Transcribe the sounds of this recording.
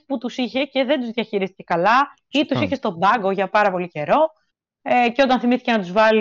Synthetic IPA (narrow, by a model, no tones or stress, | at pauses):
put̪usiçe̞ce̞ðe̞nd̪uzðijɐçiɾist̪i̥ce̞kɐlɐ | it̪usiçe̞st̪o̞bɐɡo̞ʝɐpɐɾɐpo̞lice̞ɾo̞ | eceot̪ɐnθimiθicenɐt̪uzvɐli